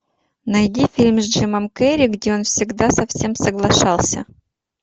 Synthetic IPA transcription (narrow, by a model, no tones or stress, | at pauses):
nɐjdʲifʲilʲmzdʐɨməmkɛɾʲɪɡdʲeo̞nfsʲɪɡd̪asɐfsʲemsəɡlˠɐʂɑlˠsʲə̰